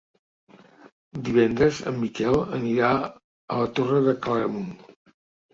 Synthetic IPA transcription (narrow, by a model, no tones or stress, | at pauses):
d̪iβɛnd̪ɾəzə̰mːikɛlˠəniɾa | ə̰lət̪orəðəkləɾəmun